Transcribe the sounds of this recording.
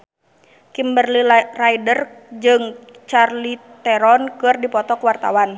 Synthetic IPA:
kimbərliraidər | d͡ʒɨŋ | t͡ʃarlit̪ɛɾɔnkɨrdipɔt̪ɔkwart̪a̰wan

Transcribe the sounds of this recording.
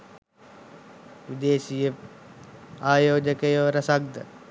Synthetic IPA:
ʋid̪eːsijə | aːjoːd͡ʒəkəjoːɾəsaɡ̚d̪ə

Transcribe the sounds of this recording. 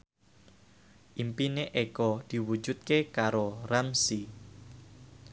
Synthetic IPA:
ʔimpineʔekɔd̪̥i̤wu̥d͡ʒut̪̚kekaɾoramsi

